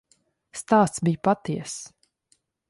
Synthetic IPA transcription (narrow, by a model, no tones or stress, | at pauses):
st̪aːst̪sbijpat̪iɛs